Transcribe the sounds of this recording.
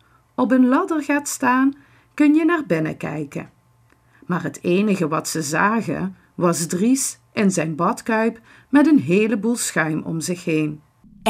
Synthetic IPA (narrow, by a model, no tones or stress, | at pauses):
ɔpɦənlɑdərɣaːtstaːn | kɵnjənaːɹbɪnə̰kɛ̰jkə̰n | maːɹɦətʰejnəɣəʋɑtsəzaːɣə̰ | ʋɑzdrisʔɪnzɛjnbɑtkœɥp | mɛtənɦeːləbulˠsxœɥmʔɔ̰mzɪxɦejn